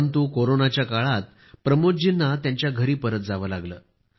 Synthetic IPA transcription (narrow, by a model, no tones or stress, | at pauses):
nt̪uːkoɾonat͡ɕjakaɭat̪̚ | pɾəmod͡ʑinːat̪jaɲt͡ɕjaɡʱəɾiːpəɾət̪̚d͡zaʋəːlaɡləː